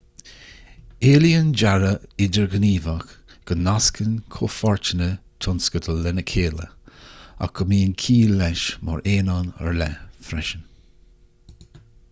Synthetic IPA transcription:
eːliənd͡ʒaɹəɪdəɹɡəniːvəxɡ̥ənːaskʰənkʰofɔɹt͡ʃənət̪ʰʊnskət̪ʰəɛnəkʰeːlə̰ | a̰kʰəmiːənkʰiːlɛʃmɔ̰ɹʔeːnanə̰ɹlɛfɾɛʃən

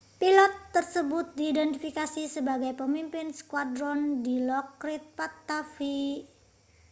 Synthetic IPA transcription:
pilɔt̪ːərsəbʊt̪̚diːdɛnt̪ifikasisəbaɡajpəmimpɪnskwadɾɔndilɔkɾɪt̪̚pat̪ːafi

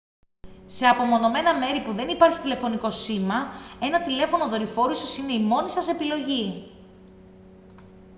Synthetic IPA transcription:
se̞ɐpo̞mo̞no̞me̞nɐme̞ɾipuðe̞nipɐɾçi̥t̪ile̞fo̞niko̞simɐe̞nɐt̪ile̞fo̞no̞ðo̞ɾifo̞ɾusosine̞imo̞nisɐse̞pilo̞ʝi

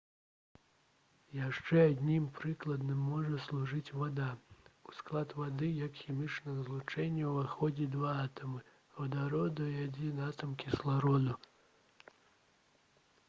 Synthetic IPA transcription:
jaʂt͡ʂɛad̪ʲnʲimpɾɨklˠɐd̪nɨmːɔʐɐslˠuʐɨt͡sʲvad̪ausklˠat̪vad̪ɨjɐkxʲimʲit͡ʂnɐɣzlˠut͡ʂɛnʲːɐwvaxɔd͡zʲid̪vaat̪ɐmɨ | vɐd̪aɾɔd̪ɐiad͡zʲinat̪ɐmkʲislˠaɾɔd̪u

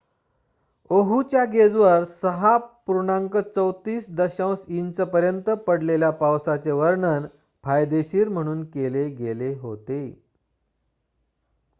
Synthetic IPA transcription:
oɦut͡ɕjaɡed͡zʋəɾsəɦapuɾuɳãŋkət͡səwt̪iːsd̪əɕə̃wsint͡səpəɾjənt̪əpəɽleljapawsat͡ɕeʋəɾɳən | pʰajd̪eɕiːɾm̤əɽ̃uːnkeleɡeleɦo̰t̪e

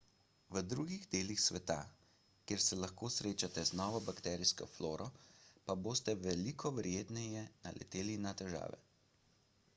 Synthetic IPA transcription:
ʋəd̪ɾuːɡiɣd̪eːlixsʋɛt̪a̰ | kjeːɾsɛlaxkoːsɾeːt͡ʃat̪ɛznɔʋɔbakt̪ɛːɾiskɔ̰floːɾɔpaboːst̪ɛʋɛlikʰɔʋɛɾjeːt̪nɛjɛna̰lʔɛ̰t̪eːlinat̪ɛʒa̰ːʋɛ̰

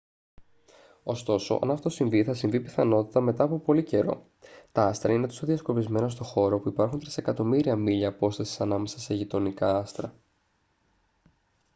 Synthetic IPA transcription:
o̞st̪o̞so̞̰ʔɐ̰nɐft̪o̞siɱviθɐsiɱvipiθɐno̞t̪it̪ɐme̞t̪ɐːpo̞po̞lice̞ɾo̞̰ | t̪ɐɐst̪ɾɐine̞t̪osoðiɐsko̞pizme̞nɐs̬t̪o̞xo̞ɾo̞puipɐɾxunt̪ɾise̞kɐt̪o̞miɾiɐmiʎɐːpo̞st̪ɐsi̥sɐnɐme̞sɐseʝit̪o̞nikɐɐst̪ɾɐ

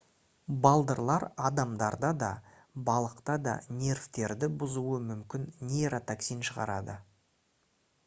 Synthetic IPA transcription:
bɑlˠd̪əɾlˠɑɾɑd̪ɑmd̪ɑɾd̪ɑd̪ɑ | bɑlˠəqt̪ɑd̪ɑ̰nʲe̞ɾvt̪e̞ɾd̪ɪbʊzuəmʏmkʲɪnːʲeɾot̪aksijnʃəʁɑ̰ɾɑd̪ə

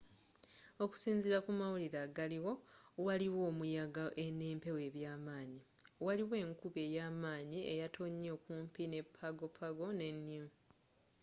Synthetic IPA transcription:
o̞ku̥siːnziɾakumawuliɾaɡaliwo̞waliwo̞ːmujaɡaʔeneːmpe̞we̞ːβjaːmaːɲi | waliwe̞ːŋkuβe̞ːjaːmaːɲiḛjato̞ɲːeːkuːmpine̞pʰːaɡo̞pʰaɡo̞ne̞nːimu

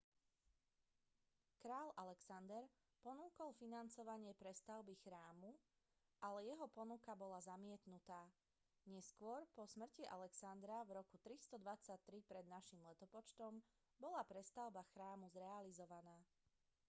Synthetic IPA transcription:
kɾaːlʔalɛksand̪ɛɾ | pɔnuːkɔlˠfinant͡sɔʋaɲɪɛpɾɛst̪aʊbixɾaːmu | ʔalɛjɛɦɔpɔnukabɔlazamɪɛt̪nut̪aː | ɲɛskʊɔɾpɔsmr̩ciʔa̰lɛksand̪ɾavɾɔkut̪ɾist̪ɔd̪ʋat͡sac̚t̪ɾipɾɛd̪naʃimlɛt̪ɔpɔt͡ʃt̪ɔm | bɔlapɾɛst̪aʊbaxɾaːmuzɾɛalizɔʋanaː

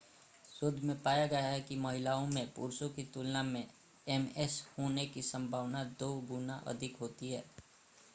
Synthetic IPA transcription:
sʊd̪ʱmẽpaːjaɡɐjaɦɛkimɐɦɪlaːõmẽpṵːɾsõkit̪ʊlnamẽ | ɛmɛshoːnekisɐ̃mbʱaːʋnad̪oːɡʊnaʔɐ̰d̪ʱɪkɦoːt̪iɦɛː

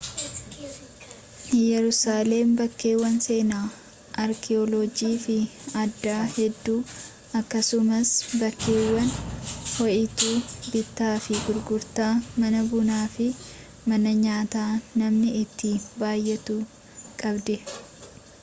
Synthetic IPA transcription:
jɛɾʊsaːlembɐkːe̞ːwːɐnse̞ːnaː | ʔɐɾkʰɛɔlod͡ʒiːfɪɐd̪ːaːhɛd̪ːuː | ɐkːɐsʊmɐsbɐkːe̞ːwːɐnhɔʔɪt̪uːbɪt̪ːaːfɪɡʊɾɡʊɾt̪aːmɐnɐbʊnaːfɪ | mɐnɐɲaːt̪aːnɐmnɪɪt̪ːibaːjːɛt̪uː | kʼɐbd̪ɛ

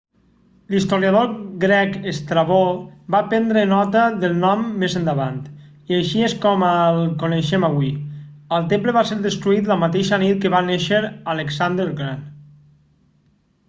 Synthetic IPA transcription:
list̪oɾjaðoɡɾɛkest̪ɾaβobapɛnd̪ɾənɔt̪əðəlˠnɔmːezənd̪əβant̪ | iaʃieskɔməlˠkoneʃemaβwiəlˠt̪empləβaseɾðəst̪ɾuit̪ləmat̪eʃənit̪̚kəβaneʃəɾaleksand̪əɾɣɾan

